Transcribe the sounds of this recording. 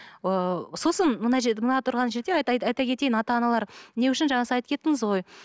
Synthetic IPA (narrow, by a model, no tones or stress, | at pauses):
so̞sənmənɑʒemənɑt̪ʰʊɾʁɑnʒeɾd̪ejɑɑjt̪ɑkʲʰe̞t̪e̞jɪnɑt̪ɑːnɑlˠɑɾne̞wʏʃɪnʒɑɴɑsəɑjt̪əpkʲʰe̞t̪ːɪŋɪzʁo̞j